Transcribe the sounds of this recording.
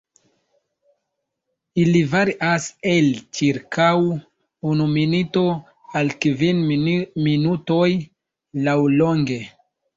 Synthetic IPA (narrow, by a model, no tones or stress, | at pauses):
ilivaɾiʔaselt͡ʃiɾkʰaw | unuminito̞ | alkvinminutoj | lawloŋɡe̞